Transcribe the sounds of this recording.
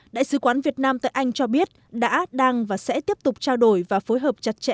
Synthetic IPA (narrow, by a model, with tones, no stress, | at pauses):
ɗa̰ː˧˨jsɨ˨˦kwaː˨˦nvi˨˩ət̚naː˧mt̪a̰ː˧˨jʔa˧jŋ̟t͡ɕɔ˧ɓi˦˥ət̚ɗa̰ː˧˥ɗaː˧ŋvaː˨˩sɛ̰˧˥t̪i˦˥əp̚t̪ʊ˨˩k͡p̚t͡ɕaː˧wɗo˧˩jvaː˨˩fo˨˦jɦəː˨˩p̚t͡ɕa˨˩t̚t͡ɕɛ̰˧ʔ